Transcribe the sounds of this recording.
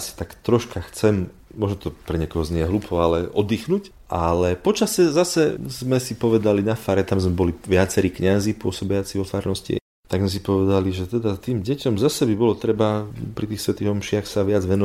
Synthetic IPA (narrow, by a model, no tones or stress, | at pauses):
si̥t̪akt̪ɾɔʃkaxt͡sɛm | mɔʒnɔt̪ɔpɾɛɲɛkɔɦɔzɲɛjɛɦluːpʰɔalɛɔd̪iːxnuc | ʔalɛpɔt͡ʃasɛzasɛzmɛsipɔʋɛd̪alinafaːɾɛt̪amzmɛbɔliʋɪat͡sɛɾiːkɲazipʊɔsɔbɛjat͡siʋɔfaːɾnɔscḭ | t̪aɡzmɛs̬ipɔʋɛd̪aliʒɛt̪ɛd̪at̪iːmɟɛcɔmzasɛbibɔlɔt̪ɾɛbapɾit̪iːxsʋɛt̪iːɦɔmʃɪaxsaʋɪad͡zʋɛnɔ